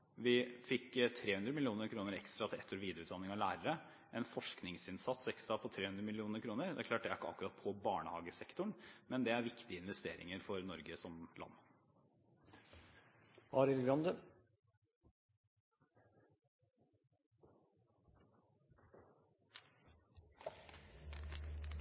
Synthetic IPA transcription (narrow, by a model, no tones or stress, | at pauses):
ʋɪfɪkːt̪ʰɾeːhʉnd̪ɾəmɪlɪuːnəɾkʰɾuːnəɾɛkst̪ɾɑt̪ʰɪlɛ̰t̪ʰːɔɾʋiːd̪əʉt̪d̪ɑnːɪŋɑlæːɾəɾə | ʔɛnfɔʂknɪŋsɪnsɑt̪sɛkst̪ɾɑpʰɔt̪ʰɾeːhʉnd̪ɾəmɪlɪuːnəɾkʰɾuːnəɾd̪ɛ̰æɾkʰlɑːʈ̚ɖ̪ɛæɾkːəɑ̰kːʉɾɑt̪̚pʰɔbɑːɳəhɑːɡəsɛkt̪ʊɳmɛnd̪ɛæɾʋɪkt̪ɪəɪnʋɛst̪ḛːɾɪ̰ŋəɾfɔɾnɔɾɡəsɔmlʔɑ̰nː | ɑːɾɪlɡɾɑnd̪ə